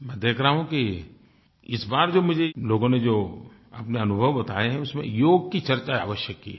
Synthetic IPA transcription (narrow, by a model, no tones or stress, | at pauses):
mɛ̃ːd̪eːkʰɾaɦũki | ɪsbaːɾd͡ʒoːmʊd͡ʒʱeloːɡõned͡ʒoː | ɐ̰pneɐnʊbʱəʋbɐt̪aːeɦɛ̃ʊsmḛ̃joːɡ̚kit͡ʃɐɾt͡ʃaa̰ːʋəʃjəkːḭ